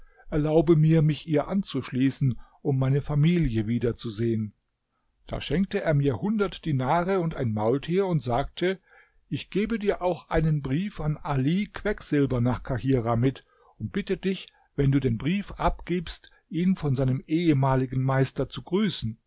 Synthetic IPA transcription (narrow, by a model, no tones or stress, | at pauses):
ʔɛɐlaʊbəmiːɐmɪçʔiːɐʔant͡suʃliːsn̩ʔʊmːaɪnəfamiːljəviːdɐt͡suzeːən | d̥a̰ːʃɛŋk̚təeːɐmiːɐhʊndɐtd̥inaːʁəʊntaɪnmaʊltʰiːɐʊntz̥aːk̚tʰə | ʔɪçɡ̥eːbədiːɐʔaʊxʔaɪnənbʁiːfanʔalikʰv̥ɛkz̥ɪlbɐnaːχkʰahiːʁamɪt | ʔʊnt̚b̥ɪtədɪç | vɛnduːdeːnbʁiːfʔapɡ̥iːpst | ʔiːnfɔnzaɪnəmʔeːəmaːlɪɡn̩maɪstɐt͡suɡʁyːsn̩